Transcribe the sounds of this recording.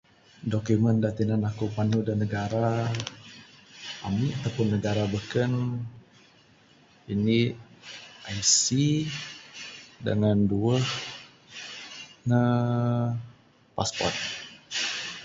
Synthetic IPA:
dokuməndat̪inanakupanudanəɡaɾa | amiat̪awpʊnːəɡaɾabəkən | ini | ʔajsi | də̰ŋanduəh | nə | pa̰spɔ̰rt̪̚

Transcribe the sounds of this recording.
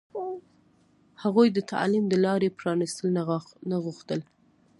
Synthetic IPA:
haɣujd̪ət̪a̰limd̪əlɑɾepɾɑnist̪əlnanaɣuxt̪əl

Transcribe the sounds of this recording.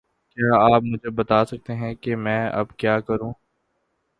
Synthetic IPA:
kjaːaːpmʊd͡ʒʱebɐt̪aːsɐk̚t̪eɦɛ̃kemɛ̃ːɐ̰bkjaːkɐɾũː

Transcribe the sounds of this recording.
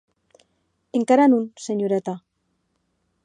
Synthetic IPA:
eŋkaɾanunseɲuɾat̪a

